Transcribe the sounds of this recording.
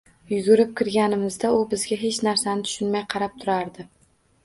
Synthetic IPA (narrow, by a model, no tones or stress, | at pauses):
jʊɡʲʊɾɪp̚kʲʰɪɾɡʲanɪmɪzd̪aʊbɪzɡʲaɦe̞t͡ʃnaɾsanɪt̪ʰʊ̥ʃʊnmajqʰɑɾap̚t̪ʰʊɾaɾd̪ɪ